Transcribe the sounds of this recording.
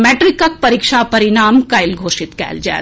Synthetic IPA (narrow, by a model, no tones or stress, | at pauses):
meːʈɾɪkək̚pɐɾikʃapɐɾɪnaːmkaɪlɡʱoːʃɪt̪kɛ̰ːld͡ʒɛ̰ː